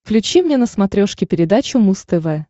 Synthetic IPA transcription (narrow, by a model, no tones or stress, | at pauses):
klʲʉt͡ɕimnʲenəsmɐt̪ɾʲoʂkʲɪpʲɪɾʲɪd̪at͡ɕʊmust̪ɨvɛ